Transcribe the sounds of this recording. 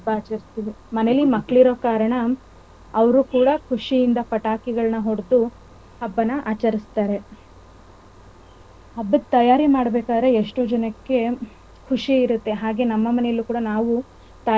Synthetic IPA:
baːt͡ʃɐɾist̪iʋimɐnelːimɐkːɭiɾo̞ːkaːɾɐɳɐ | ɐʋɐɾukuːɽɐkʰuʂijind̪ɐpɐʈaːkiɡɐɭɐnɐɦoɽd̪u | ɐbːɐnɐʔaːt͡ʃɐɾist̪aːɾe̞ | ɐbːɐt̪ːɐjaːɾimaːɽɐbeːkaːd̪ɾe̞eʂʈoːd͡ʒɐnɐkːe̞ | kʰuʂiiɾut̪ːe̞ɦaːɡe̞nɐmːɐmɐnejɐlːukuːɽɐnaːʋu | t̪ɐ

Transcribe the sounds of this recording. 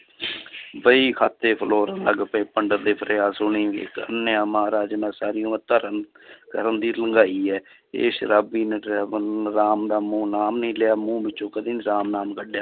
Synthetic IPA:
bəiːkʰaːt̪ːeːpʰəloːɾləɡpẽːpəɳɖəɾd̪eːpʰəɾaːsʊɳiːɪ̰kə̰nːjaːmaːɾaːd͡ʒmɛ̃ːsaːɾɪjõːət̪əːɾən | kəɾənd̪iːləŋɡaːiːɛː | ḛːʃəɾaːbiːneɾnɾaːmd̪aːmũːnaːmnĩːlɪaːmũːbɪt͡ʃːt͡ʃõːkəd̪iːnɾaːmnaːmkəɖjaː

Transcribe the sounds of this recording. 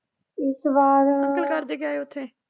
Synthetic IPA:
ɪsbaːɾəkəlkaɾd̪eːɡaːeʊt̪ʰːeː

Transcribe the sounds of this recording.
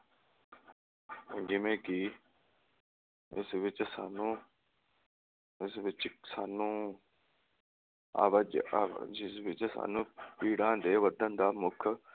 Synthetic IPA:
d͡ʒɪʋẽːkɪ | ɪsʋɪt͡ʃsaːnũː | ɪsʋɪt͡ʃsaːnũː | a̰ːʋd͡ʒd͡ʒɪsʋɪt͡ʃsa̰ːnũːpiːɽãːd̪eːʋəd̪ənd̪aːmʊkʰ

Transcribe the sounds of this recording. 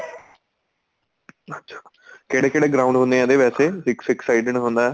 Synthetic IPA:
ɐtːʃʰḁ | keːɽekeːɽeɡɾaʊ̃ɳɖɦõːnd̪eãːd̪eʋɛːseɦɪksɪksaɪɖəɳɦõːnd̪a

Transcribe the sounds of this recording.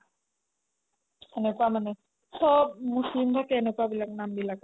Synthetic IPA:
ɛnekuamane | sɔbmuslimd̪ʱakeɛnekabilaknambilak

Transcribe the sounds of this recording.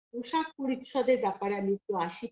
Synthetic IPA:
oʃak̚poɾit̪ʃɔd̪eɾbɛpaɾamit̪ːoaʃi

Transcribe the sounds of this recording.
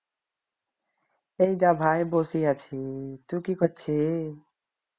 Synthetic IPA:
eid̪aːbʱaːjboːsiat͡ʃʰit̪uːkikɔt͡ʃʰe

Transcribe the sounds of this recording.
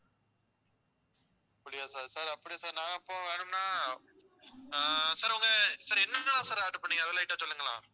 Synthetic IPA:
ɐpːɐɽɪjaːsaːɾsaːɾɐpːɐɽɪjasaːɾnãːɪpːoːʋeːɳɯmnaː | saːɾʊŋɡɐsɐɾɛnːɐlãːsaːɾaːʈːɯpːɐɳːɯŋɡɐðɐlãːɪʈːɐ̃t͡ʃɔlːɯŋɡɐlã̰ː

